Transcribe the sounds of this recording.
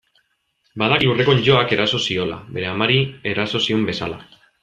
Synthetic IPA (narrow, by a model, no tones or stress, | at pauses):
baðalure̞ko̞ɲʝo̞ake̞ɾʔaso̞sio̞la̰βe̞ɾe̞amaɾie̞ɾaso̞siombe̞sala̰